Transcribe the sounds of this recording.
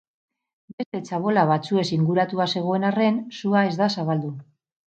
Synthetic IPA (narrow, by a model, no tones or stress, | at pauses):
be̞st̪e̞t͡saβo̞laβ̞at͡sue̞siŋɡuɾat̪uase̞ɣ̞o̞e̞nare̞nsuae̞zd̪asaβald̪u